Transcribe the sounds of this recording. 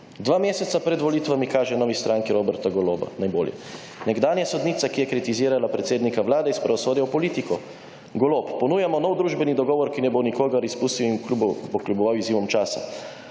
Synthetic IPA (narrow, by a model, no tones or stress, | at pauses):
d̪ʋaːmeːsɛt̪sapɾɛd̪ʋɔliːt̪ʋamikaːʒɛnɔːʋist̪ɾʔaŋkiɾobɛɾt̪aɡɔloːba̰najboːljɛ̰ | nɛɡd̪aːnjasɔd̪niːt̪sakijɛkɾit̪iziːɾalapɾɛt̪seːd̪nikaʋlaːd̪ɛispɾɛɔsʋoːd̪jɛwpɔliːt̪ikɔ | ɡɔloppːɔnuːjamɔnɔwd̪ɾuːʒbɛnid̪ɔɡɔːʋɔɾkinɛbonikoːɡaɾispuːst̪iwinkubpɔklʲubɔʋawiziːʋɔmt͡ʃaːsa̰